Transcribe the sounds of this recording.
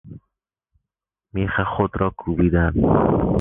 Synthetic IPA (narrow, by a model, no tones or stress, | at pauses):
miːxæχod̪ɾɒːkʰubid̪æn